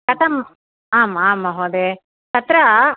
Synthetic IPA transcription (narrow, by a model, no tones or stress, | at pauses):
kɐt̪ʰɐm | aːmaːmːaɦoːd̪e | t̪ɐt̪ɾɐ